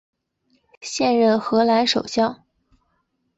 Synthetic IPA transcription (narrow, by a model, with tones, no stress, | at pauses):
ɕjɛ˥˧nɻə˥˩nxɤ˧˥la˧˥nʂo˨˩ʊɕjɑ˥˩ʊ